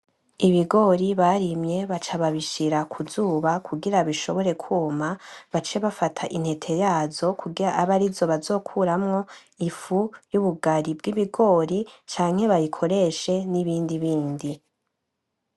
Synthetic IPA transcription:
iβiɡo̞ɾiβaɾimɲe̞βat͡ʃaβaβiʃiɾakʰuzuːβakʰuɡiɾaβiʃo̞βo̞ɾe̞kʰuːmaβat͡ʃe̞βafatʰaʔin̥he̞tʰe̞jaːzo̞kʰuɡiɾaʔːβaɾizo̞βazo̞ːkʰuɾamŋo̞ | ifujuβuɡaɾibɡiβiɡo̞ɾit͡ʃaːŋ̥he̞βajikʰo̞ɾe̞ʃe̞niβiːndiβiːndi

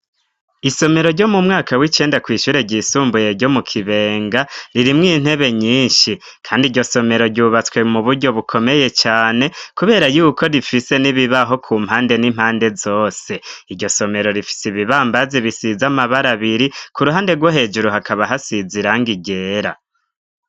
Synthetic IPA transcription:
iso̞me̞ɾo̞ɾɟo̞mumŋaːkawit͡ʃe̞ːndakwiːʃuːɾe̞ɟiːsuːmbuje̞ɾɟo̞mukʰiβe̞ːŋɡaɾiɾimŋiːn̥he̞βe̞ɲiːnʃi | kʰaːndiːɾɟo̞so̞me̞ɾo̞ɾɟuːβat͡swe̞muβuɾɟo̞βukʰo̞me̞je̞t͡ʃaːne̞kuβe̞ːɾajuːkʰo̞ɾifise̞niβiβaɦo̞kʰuːm̥haːnde̞nim̥haːnde̞zo̞ːse̞iɾɟo̞so̞me̞ɾo̞ɾifi̥siβiβaːmbazeβisizamaβaɾaβiɾikʰuɾuɦaːnde̞ɡwoɦe̞ːd͡ʒuɾuɦakaβaɦasiziɾaŋɡiɟe̞ːɾa

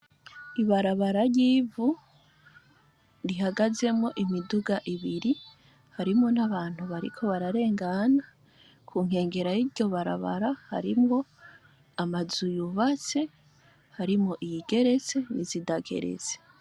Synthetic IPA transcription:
iβaɾaβaɾaɾɟiːvu | ɾiɦaɡaze̞mŋo̞ʔimiduɡaʔiβiɾi | haɾimo̞n̥aβaːn̥huβaɾḭkʰo̞βaɾaɾe̞ːŋɡana | kʰuːŋ̥he̞ːŋɡe̞ɾajiɾɟo̞βaɾa̰βa̰ɾaha̰ɾimŋo̞ | amazujuβat͡se̞ | haɾimŋoʔijiɡe̞ɾe̞t͡se̞nizidaɡe̞̰ɾḛze̥

